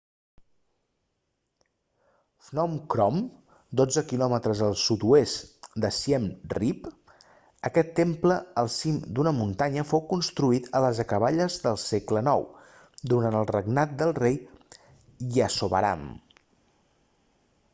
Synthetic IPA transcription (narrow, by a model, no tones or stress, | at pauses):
fnɔmkɾɔm | d̪od͡zəkilɔmət̪ɾəzəlˠsut̪uest̪d̪əsjɛmrip | əkɛt̪ːempləəlˠsimd̪unəmunt̪aɲəfowkunst̪ɾuit̪ʰələzəkəβaʎəzd̪əlˠseklənɔw | d̪uɾanəlˠrəɡnat̪̚d̪əlˠrej | iəsoβə̰ɾa̰m